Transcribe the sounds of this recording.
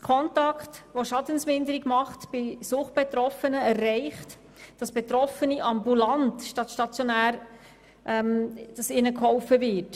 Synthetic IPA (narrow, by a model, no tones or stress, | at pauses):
tkʰɔntɑktʋoʃɑdənsmɪndəɾiɡmɑχtb̥ɪsʊχb̥ɛtɾɔfənəærːɛɪχt | d̥ɑsb̥et̪ɾɔfəniʔɑmbulɑntʃtɑtʃtɑt͡sjonæːɾ | ʔɛmd̥ɑsɪnəkhɔʊfəvɪt